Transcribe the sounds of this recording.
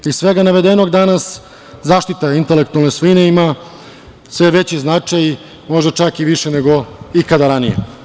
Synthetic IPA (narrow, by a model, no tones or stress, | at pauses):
issʋe̞ɡanaʋe̞d̪e̞noɡd̪anas | zaːʃt̪it̪aint̪elekt̪ualnesʋoine̞ima | sʋe̞ʋe̞t͡ɕiznat͡ʂaj | mo̞ʒd̪at͡ʃakiʋiʃene̞ɡo̞ikad̪aɾanijḛ